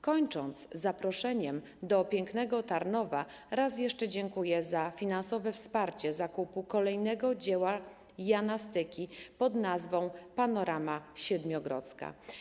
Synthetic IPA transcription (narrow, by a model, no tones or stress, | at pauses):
kɔɲt͡ʂɔnt̪szːapɾɔʂɛɲɛm | d̪ɔpʲjɛŋknɛɡɔt̪aɾnɔva | ɾas̬jɛʂt͡ʂɛd͡ʑɛŋkujɛzafʲinansɔvɛfspaɾt͡ɕɛzakupukɔlɛjnɛɡɔd͡ʑɛwa | jʲanast̪ɘkʲipɔd̪nazvɔ̃w̃panɔɾʔamaɕɛd̪mʲjɔɡɾɔ̰t̪ska̰